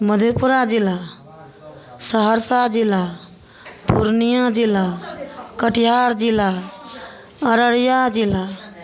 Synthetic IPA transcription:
məd̪ʱjopuɾad͡ʒilːa | səɦəɾsad͡ʒilːa | puɾnijad͡ʒilːakəʈjaɾd͡ʒila | əɾəɾjad͡ʒila

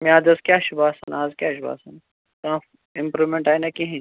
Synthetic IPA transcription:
miaːd̪ɐskʲjaːʃubaːsa̰naːzkʲjaːʃ̬uba̰ːsɐn | kã | impɾuʋmeɳʈaːjnɐkiɦĩ

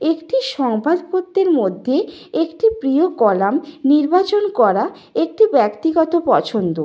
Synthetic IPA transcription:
ekʈiʃɔŋbʱad̪pot̪ːeɾmod̪ʱːe | ekʈipɾiokɔlamniɾbat͡ɕonkɔɾa | ek̚ʈibɛkt̪iɡɔt̪opɔt͡ɕʰond̪o

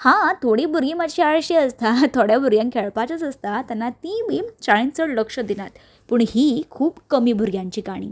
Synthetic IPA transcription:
hãt̪ʰoɽiːbʱuɾɡiːmad͡ʑiːaɭɕiːəst̪at̪ʰoɽjabʱuɾɡjãŋkʰeɭpat͡sət͡səst̪at̪anːat̪ĩmiːt͡ɕaɭĩnt͡səɽləkʂəd̪inat̪ | pəːɳhiːkʰuːbkəmiːbʱuɾɡjaɲt͡ɕiːkaɽ̃ḭː

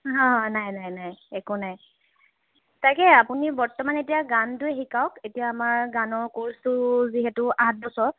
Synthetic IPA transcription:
ɦɔ̃najnajnajɛkunaj | tajkɛapunibɔɹtɔmanetijaɡantʊɛxikawketijaːmaɹɡanɔɹkoɹstʊziɦɛtʊat̚bɔsɔɹ

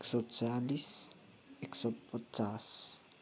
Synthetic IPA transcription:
ksot͡salis | eksopotas

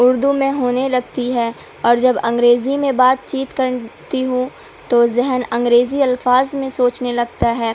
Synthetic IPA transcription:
ʊɾd̪umẽɦoːnelɐɡ̚t̪iɦɛː | ɔːɾd͡ʒɐbɐ̃ŋɡɾeːzimẽbaːt̪̚t͡ʃiːt̪kɐɾt̪iɦũ | t̪ozɛɦənɐ̃ŋɡɾeːziɐlfaːzmẽsoːt͡ʃnelɐɡt̪aɦɛː

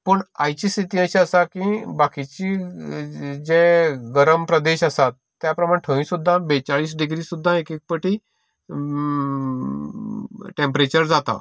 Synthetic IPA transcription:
pəɳajt͡ɕist̪ʰit̪ĩːə̃ɕiəsakĩbakit͡ɕi | d͡ʑeɡəɾəmpɾəd̪eɕəsat̪ːjapɾəmaʈʰəʋĩsud̪ʱːabet͡saɭiːs̬ɖiɡɾiːsud̪ʱːaekek̚pəʈi | ʈẽmpɾet͡ɕəɾd͡zat̪a̰

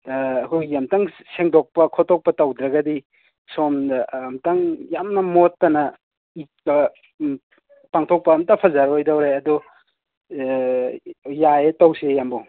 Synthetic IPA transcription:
ɐkʰujjamtaŋ | seŋdok̚pɐkʰɔtɔk̚pɐtɐwdɾɐɡɐdi | somdmtaŋjamnɐmotːɐnɐ | it̚kɐ | paŋtʰok̚pɐːmtɐpʰɐzaɾojdawɾejɐdu | jaetɐwsejambɐw

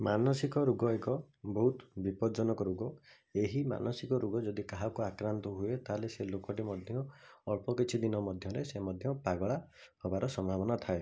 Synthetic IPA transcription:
manɔsikɔɾuɡɔekɔ | bɔɦut̪bipɔd͡ʒɔnɔkɔɾuɡɔ | eɦima̰nɔsikɔɾuɡɔd͡ʒɔd̪ikaɦakuakɾant̪ɔɦuet̪aleselokɔʈimɔd̪ʱjɔːɭpɔkit͡ʃʰid̪inɔmɔd̪ʱjɔɾesemɔd̪ʱjɔpaɡɔɭahɔbaɾɔsɔmabɔnat̪ʰae

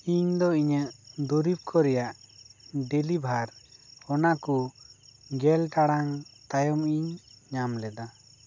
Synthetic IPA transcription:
iɲd̪ɔiɲəʔd̪uɾib̚kʰɔɾɛjaʔ | ɖelibʱaɾɔnaku | ɡɛlʈaɽaŋt̪ajɔmiɲːamlɛd̪a

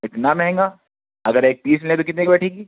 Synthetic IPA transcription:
ɪt̪namɛɦɛ̃ŋɡaː | ɐɡəɾeːk̚piːsmɪlẽt̪̬okɪt̪nekbɛːʈʰẽːŋɡiː

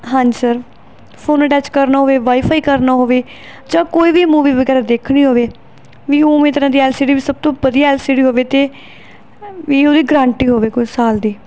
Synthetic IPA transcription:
ɦãːɲd͡ʒsəɾ | pʰoːnəʈɛːt͡ʃkəɾnaːɦoːʋeːʋaːiːpʰaːiːkəɾnaːɦoːʋeː | d͡ʒãːkoːiːʋiːmuːʋiːʋəɡɛːɾaːd̪eːkʰɽ̃ĩːɦoːʋeː | ʋiːoːmẽːt̪əɾãːd̪iːɛːlsiːɖiːʋiːsəb̚t̪õːbəd̪ijaːɛːlsiːɖiːɦoːʋeːt̪eː | ʋiːoːd̪iːɡɾãːɳʈiːɦoːʋeːkʊisaːld̪iː

